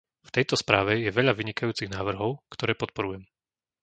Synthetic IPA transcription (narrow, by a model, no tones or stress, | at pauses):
ft̪ɛjt̪ɔspɾaːʋɛjɛʋɛʎaʋiɲikajuːt͡siɣnaːʋr̩ɦɔʊkt̪ɔɾɛːpɔt̪̚pɔɾujɛm